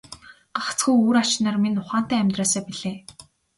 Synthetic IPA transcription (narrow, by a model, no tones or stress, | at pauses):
ɢaχʰt͡sɡujuːɾat͡ɕnaːrminʊχaːn̥t̪æːæmʲt̪raːsaːpiɮeː